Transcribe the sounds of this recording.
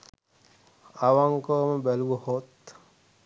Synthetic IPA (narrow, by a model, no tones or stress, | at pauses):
aʋaŋkəːməbæluwəhot̪